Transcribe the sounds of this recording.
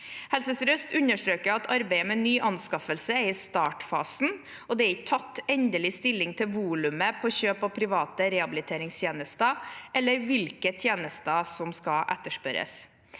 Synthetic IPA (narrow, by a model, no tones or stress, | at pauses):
hɛlsəsɾœst̪ʉnəʂʈɾøːkəɾɑt̪ʰɑɾbæɪəmɛnːyːʔɑnskɑfəlsəæɾɪst̪ɑːʈfɑ̰ːsn̩ | ɔd̪ɛæɪt̪ʰɑt̪ːɛnd̪əlɪst̪ɪlːɪŋt̪ʰɪlʋuːlʉməpʰɔːçøːpɑpʰɾɪʋɑːt̪əɾɛhɑbɪlɪt̪ʰeːɾɪŋst̪ʰjeːnəst̪əʔɛlːəɾʋɪlkət̪ʰjeːnəst̪əsɔmskɑʔɛ̰t̪ːəʂpœɾə̰s